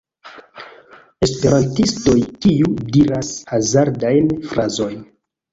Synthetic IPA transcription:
e̞spe̞ɾantisto̞jkijudiɾasazaɾdajnfɾʔazo̞jn

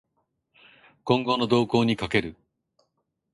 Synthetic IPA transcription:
kõ̞ŋɡo̞no̞d̪o̞ːko̞ːɲ̟ikake̞ɾɯ̟

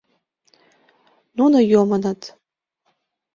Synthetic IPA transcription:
nunojomənɤt̪

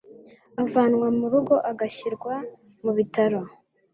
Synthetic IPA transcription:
avaːnŋwamuɾuɡo̞ʔaɡaçiɾɡwa | muβitaɾo

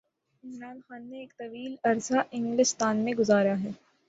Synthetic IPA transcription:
ɪmɾaːnxaːnːeːk̚t̪ɐʋiːlɐɾsaʔɪ̃ŋɡlɪst̪aːnmẽɡʊzaːɾəjaɦɛː

